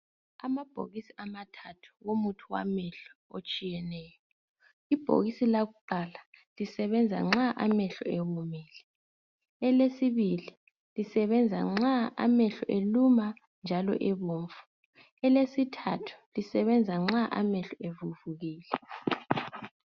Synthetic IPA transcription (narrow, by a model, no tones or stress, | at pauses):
amab̥ʱo̰ɣisiamatʰatʰu̥womutʰuwa̰mɛɬɔ̥ot͡ʃʼijɛnɛːjɔ | ib̥ʱo̰ɣisilaɣuǃalalisɛβɛnd͡zʱa̰ŋ͡ǁaʔamɛɬɔ̰eɣumɛːlɛ | ɛlesiβili | lisɛβɛnd͡zʱa̰ŋ͡ǁaa̰mɛɬɔʔeluma | nd͡ʒʱalɔ̰ʔɛβoːɱfu̥ | ɛlesitʰatʰu̥lisɛβɛnd͡zʱaŋ͡ǁaʔa̰mɛɬɔevuvuɣiːlɛ